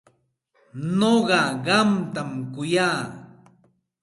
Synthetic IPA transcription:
noɢɑɢɑmt̪amkʊjaː

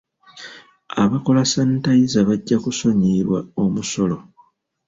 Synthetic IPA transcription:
aβako̞lasantajizaβaɟːakuso̞ɲiɾwaomuso̞lo̞

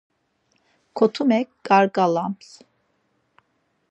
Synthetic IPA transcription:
kʰɔt̪ʰumɛkɡaɾɡʼalams

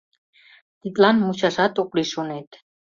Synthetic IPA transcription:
t̪it̪ʼlanmuʃaʃat̪ʼokʼliʃonɛt̪ʰʼ

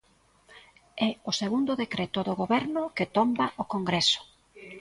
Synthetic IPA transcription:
ɛoseɣund̪ʊðekɾɛt̪oðʊɣoβɛɾnʊket̪ombaʔokoŋɡɾesʊ̥

